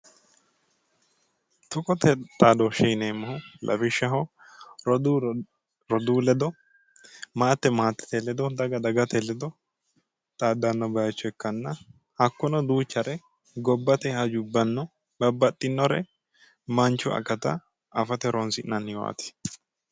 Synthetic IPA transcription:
t̪ʊkʼɔt̪ɛt̪ʼaːd̪ɔʃɛjneːmːɐhʊlʔɐ̰bɪʃːɐɦɔ | ɾ | ɾɔd̪uːlɛd̪ɔ | maːt̪ːɛmaːt̪ːɛ̥t̪ɛlɛd̪ɔd̪ɐɡɐd̪ɐɡɐt̪ɛlɛd̪ɔ | t̪ʼaːd̪ːanːɔbɐjt͡ʃːɔɛkːɐnːɐ | hɐkːʊnɔd̪uːt͡ʃːɐɾɛ | ɡɔbːɐt̪ɛhɐd͡ʒʊbːɐnːɔ | bɐbːɐt̪ʼːɪnːɔɾɛ̰ | mɐnt͡ʃːʊɐ̰kːɐt̪ɐ | ɐfɐt̪ɛɾʔɔnsɪʔnɐnːɪwa̰ːt̪ɪ̥

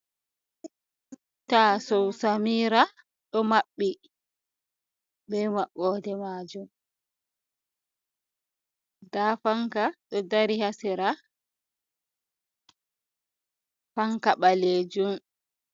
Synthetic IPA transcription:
tasɔwsamiːɾa | ɗɔmaɓːi | bɛmaɓːɔːdɛmad͡ʒum | dafaŋkaɗɔdaɾihasiɾa | faŋkaɓaleːd͡ʒum

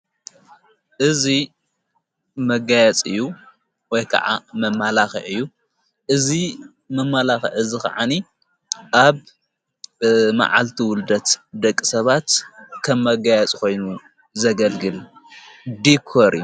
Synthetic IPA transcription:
ʔɨzi | mɐɡajɛt͡sʼɨjːu | wɔjkʰɐ̰ʕa̰mɐmːalaxiʕɨjːu | ʔɨzi | mɐmːalaxɐ̰ʕɨzika̰ʕani | ʔaβ | ma̰ʕa̰lt̪ʰiwʊld̪ɐt̪d̪ɐkʼːisɐβat̪kʰɐmːɐɡajɛt͡sʼkʰo̞jnu | zɐɡɐlɡɨl | d̪ikʰoɾiju

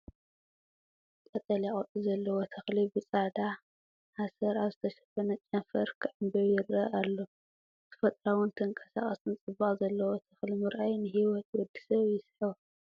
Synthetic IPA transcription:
kʼɐt̪ʼɐljaʔʼɐt̪ʼizɐlːɐwot̪ʰɐxlibɨt͡sʼad̪a | hasɐɾaβzɨt̪ʰɐʃɐ̥fɐnɐt͡ʃʼɐnfɐɾkʰɨʕɨmbɐjɪɾːɐʔalːo | t̪ʰɨ̥fɐt̪ʼɾawunt̪ʰɨŋkʼɐsa̰χʼɐsɨnt͡sʼɨβaχzɐlːɐwot̪ʰɐxlimɨɾʔajnɨɦiwɔt̪wɔd̪ːi̥sɐβjɪsħɨw

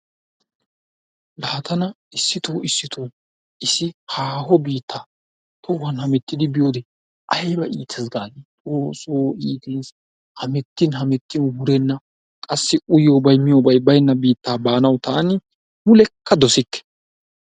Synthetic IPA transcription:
laːt̪ɐnɐ | ɪsːɪt̪oːɪsːɪt̪ʰoː | ʔɪsɪhaːɦɔbiːt̪ʰːaː | t̪ʰɔwɐnhɐmɛt̪ːɪd̪ɪbɪjoːd̪ɛ | ʔɐjbɐʔiːt̪ʰɛsɡaːɡ̪it̪ʼoːsoːiːt̪ins | hɐmɛt̪ːɪnhɐmɛt̪ːɪnhʊɾɛnːɐ | kʼɐsːɪʊjoːbɐjmɪjoːbɐjbɐjnːɐbiːt̪ːaːbaːnɐwt̪ʰɐɐnɪ | mʊlɛkːɐd̪ɔsɪt̪ːɛ̥

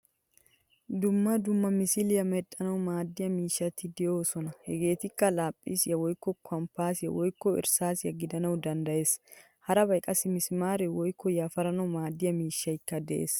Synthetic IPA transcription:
d̪ʊmːɐd̪ʊmːɐmɪsɪlɪjɐmɛt̪ʼːɐnɐwmaːd̪ːɪjɐmiːʃːɐt̪ɪd̪ɛjo̞ːsɔnɐhɛɡe̞ːt̪ɪkːɐlaːpʼːḭsjɐwɔjkːɔkʰɔmpːaːsjɐ̰wɔjkːɔɪ̰ɾsaːsjɐ̰ɡɪd̪ɐnɐwd̪ɐnd̪ɐje̞ːs | hɐɾɐbɐjkʼːɐsɪmɪsmaːɾɛwɔjkːɔjaːfɐɾɐnɐwmaːd̪ɪjɐmiːʃːɐɪkːɐd̪ɛʔḛːs

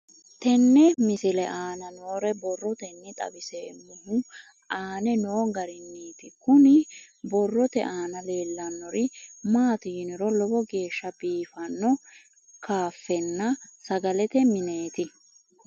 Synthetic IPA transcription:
t̪ɛnːɛmɪsɪlɛʔaːnɐnoːɾɛbɔrːɔt̪ɛnːɪt̪ʼɐ̰bɪseːmʊhʊ | ʔaːnɛnoːŋɡɐɾɪnːiːt̪ɪkʊnɪ | bɔrːɔt̪ɛ̰ʔaːnɐle̞ːlːɐnːɔɾɪmaːt̪iːnɪɾɔlɔbɔɡe̞ːʃːɐbiːfɐnːɔ | kaːfːɛnːɐsɐɡɐlɛt̪ɛmɪne̞ːt̪ɪ

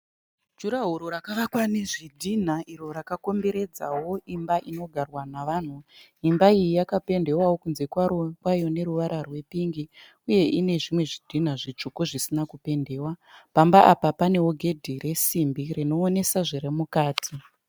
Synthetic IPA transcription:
d͡ʒuɾaɦuɾoɾakaʋakwane̞ʐidʱin̤aʔiɾo̞ɾakako̞mbe̞ɾe̞d͡za̰wo̞ʔimbaʔino̞ɡʱarwanaʋaːn̤u | imbaijijakape̞nde̞wawo̞kunze̞kwarokwajo̞ne̞ɾuʋaɾarwe̞piŋɡi | uje̞ʔine̞ʐimwe̞ʐidʱin̤aʐit͡ʂukoʐisinakupe̞nde̞ːwapambaʔapapane̞ɦoɡʱe̞dʱiɾe̞simbirino̞ːne̞saʐiɾemukaːtʰi

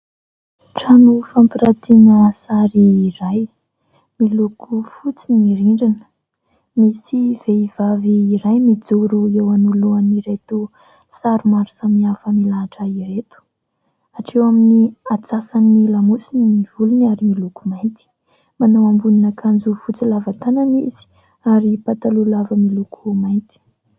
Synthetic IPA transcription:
ʈ͡ʂanufampiɾat̪ʰinəsaɾiːɾaj | milukufut͡siniiɾiɳɖ͡ʐinə̥ | misiv̥eiv̥aviːɾajmid͡zuɾuewanuluaniɾejt̪u | saɾumaɾusamiafəmilaːʈ͡ʂəiɾet̪u̥ | aʈ͡ʂewaminiat͡sasanilamusinimiv̥ulunaɾimilukumajnt̪i̥ | manawambuninəkʰand͡zufut͡silavat̪ananḭz̥i̥ | aɾipat̪alulavəmilukʰumajnt̪i̥

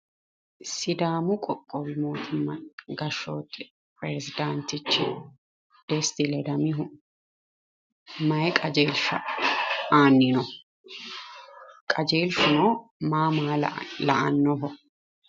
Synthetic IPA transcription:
sɪd̪aːmʊkʼɔkʼːɔbɪmoːt̪ʊmːɐɡɐʃoːt̪ʼːɪ | pɾezɪd̪ant̪ɪt͡ʃːɪ | d̪̥ɛst̪ɪlɛd̪ɐmɪɦʊ | mɐjkʼɐd͡ʒeːlʃɐ̰ | aːnːɪnɔ | kʼɐd͡ʒe̞ːlʃʊnoːmaːmaːlɐʔɐnːɔɦɔ

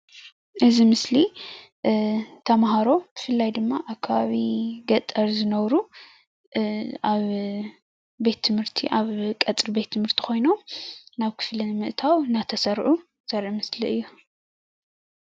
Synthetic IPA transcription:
ʔɨzimɨsli | t̪ʰɐmɦaɾo̞b̥ɨfɨlːajd̪ɨmːaʔaβkʰːaβaβiɡɐt̪ʼɐɾzɨnɐβɾu | ʔaβ | be̞t̪ʰːɨmhɨɾt̪ʰiʔaβkʼɐt͡sʼɾbe̞t̪ʰːɨmhɨɾt̪ʰi̥xʰo̞jnonaβkʰɨ̥flinmɨʔt̪ʰawnat̪ʰɐsɐɾʔu | z̥ɐɾʔimɨsliɨjːu

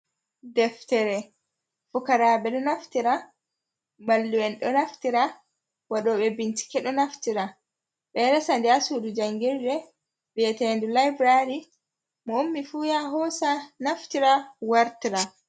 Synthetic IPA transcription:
dɛftɛɾɛ | fukaɾaːɓɛɗɔnaftiɾa | malːuwɛnɗɔnaftiɾa | waɗɔɓɛbinti̥kɛɗɔnaftiɾa | ɓɛɾɛsandɛasudud͡ʒaŋɡiɾdɛ | bɛɛtɛndulajbɾaɾi | mɔomːifujaɦɔsanaftiɾawaɾtiɾa

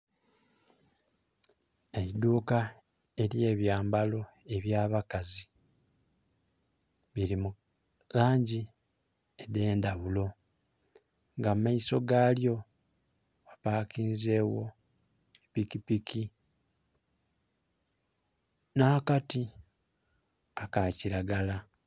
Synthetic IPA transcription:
eid̪uːka | e̞lje̞ːβjaːmbalo̞ | e̞βjaːβakazi | βiɾimu | laːɲɟi | ede̞ːndaβulo̞ | ŋɡammaiso̞ɡaːljo̞ | βapaːkiːnze̞ːwo̞ | pikipikʰi | nahakati | akaciɾaɡala

